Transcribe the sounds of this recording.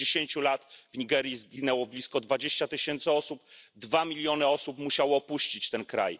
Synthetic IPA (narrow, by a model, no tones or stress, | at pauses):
eɕeɲt͡ɕulat̪vɲiɡɛɾjizɡʲinɛwɔblʲiskɔd̪vad͡ʑeɕt͡ɕat̪ɘɕɛnt̪sɘɔsupd̪vamʲilʲjɔnɘɔsupmuɕawɔːpuɕt͡ɕit͡ɕt̪ɛnkɾa̰j